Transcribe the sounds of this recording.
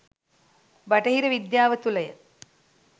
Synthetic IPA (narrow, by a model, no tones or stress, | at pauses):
baʈəɦiɾəʋid̪jaːʋət̪uləjə̰